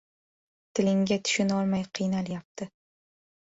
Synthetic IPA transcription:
t̪ʰɪlɪŋɡʲat̪ʰʊ̥ʃʊnɒlˠmajqʰɨjnaljap̚t̪ʰɪ

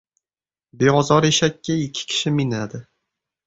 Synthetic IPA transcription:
beɒzɒɾeʃakʲːaɪkʲʰːɪ̥kʲʰɪ̥ʃɪmɪnad̪ɪ

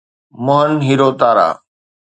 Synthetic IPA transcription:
mʊɦənɦiːɾoːt̪aːɾa̰ː

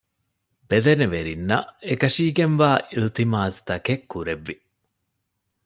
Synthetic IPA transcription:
bed̪eneʋeɾinːɐ̰ekɐʃiːɡenʋaːʔilt̪imaːzt̪ɐkekːuɾeʋːi

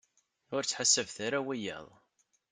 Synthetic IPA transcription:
ʊɾt͡sːħasːəvθaɾawijæ̰ðˤ

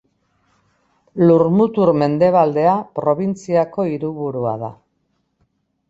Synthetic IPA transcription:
luɾmut̪uɾme̞nd̪e̞β̞ald̪e̞apɾo̞β̞int͡siako̞iɾuβuɾua̰ða

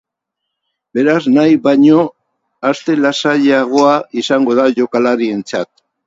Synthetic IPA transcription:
be̞ɾaznajβaɲo̞ | ast̪e̞lasaʎeaɣ̞o̞aisaŋɡo̞ðaʝo̞kalaɾie̞nt͡sat̪

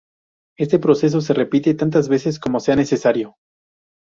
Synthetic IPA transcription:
e̞st̪e̞pɾo̞se̞s̬o̞s̬e̞re̞pit̪e̞t̪ant̪azβe̞se̞s̬ko̞mo̞se̞ane̞se̞saɾjo̞

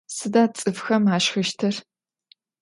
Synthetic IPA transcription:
sɨdaːt͡sʼɨfxɐmaːʃxɐʃtʰɐr

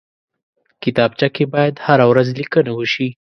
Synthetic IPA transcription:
kɪt̪ɑb̚t͡ʃakebɑjad̪haɾawɾazlikənawəʃi

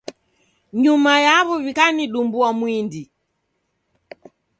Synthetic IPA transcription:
ɲumajaβɔvikaniɗumbuamwindi

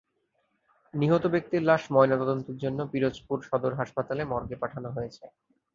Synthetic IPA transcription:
niɦot̪obek̚t̪iɾlaʃmɔenat̪ɔd̪ont̪eɾd͡ʑonːopiɾod͡ʑpuɾʃɔd̪oɾɦaʃpat̪alemɔɾɡepaʈʰanoɦojet͡ɕʰe

